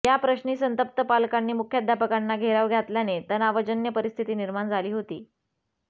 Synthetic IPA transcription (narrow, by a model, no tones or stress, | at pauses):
japɾəɕɳiːsənt̪əp̚t̪əpalkanːiːmukʰjad̪ʱjapəkanːaɡʱeɾaʋɡʱjat̪ljanet̪ənaʋəd͡ʑənjəpəɾist̪ʰit̪iːniɾmand͡zʱaliːɦot̪iː